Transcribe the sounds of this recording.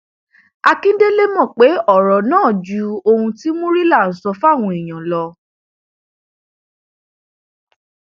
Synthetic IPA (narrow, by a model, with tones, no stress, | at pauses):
a˧kĩ˦de˦le˦mɔ̃˦˨k͡pe˨˦ɔ˦˨ɾɔ˨nãː˦˨d͡ʒu˨˦o˧hũ˧ti˦mũ˦ɾi˦la˦˨n̩˨˦sɔ˧fa˦˨w̃ũ˧i˨j̃ã˨lɔ˧